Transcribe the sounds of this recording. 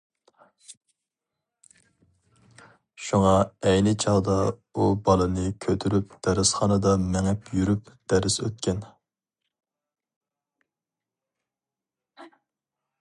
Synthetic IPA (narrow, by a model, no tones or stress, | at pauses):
ʃuŋɑɛjnɪt͡ʃʰɑʁd̪ɑubɑlˠɨnɨkʲʰøt̪ʰyɾyp̚d̪̥æɾɪsχɑnɨd̪ɑmɛŋɛpʰjyɾypd̪̥æɾɪsø̰t̪̚kʲʰɛn